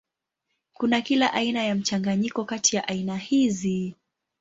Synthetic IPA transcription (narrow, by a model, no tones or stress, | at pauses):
kunakilaʔainajam̩t͡ʃaŋɡaɲikɔkatijaʔainahizi